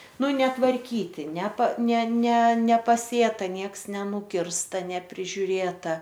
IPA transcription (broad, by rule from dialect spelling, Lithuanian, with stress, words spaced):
ˈnʊ nʲɛtʋɐrʲˈkʲiːtʲɪ nʲɛpɐ nʲɛ nʲɛ nʲɛpɐˈsʲeːtɐ ˈnʲiɛks nʲɛˈnʊkʲɪrstɐ nʲɛpʲrʲɪʒʲʊˈrʲeːtɐ